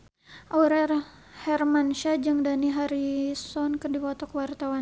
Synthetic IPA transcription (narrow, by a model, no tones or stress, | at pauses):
ʔawɾɛr | hɛrmanʃad͡ʒɨŋdaniɦaɾisɔnkɨrdipɔt̪ɔkwart̪awan